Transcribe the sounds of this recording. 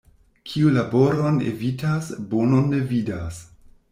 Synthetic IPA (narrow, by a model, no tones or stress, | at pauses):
kʰiulabo̞ɾonḛvitasbononevidas